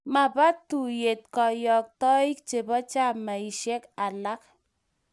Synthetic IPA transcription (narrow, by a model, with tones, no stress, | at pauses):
ma˨pa˦tu˨je˨t̚kɔ˨jɔ˨k̚tɔ˦i˦k̚t͡ʃe˨bɔ˦t͡ʃa˦˨ma˨i˨ʃe˦ka˨la˦k